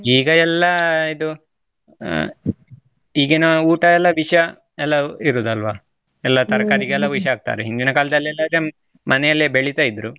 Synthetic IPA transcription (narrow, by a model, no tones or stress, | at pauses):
iːɡɐɛlːɐid̪u | iːɡenɐuːʈɐɛlːɐʋiʂɐ | ɛlːɐiɾuːd̪ɐlʋaː | ɛlːɐt̪ɐɾɐkaːɾiɡeɛlːɐʋiʃɐaːɡ̚t̪a̰ːɾeɦind̪inɐkaːlɐd̪ɐlːiɛlːɐd̪ɾe | mɐnɛjɐlːebeɭit̪ajid̪ɾu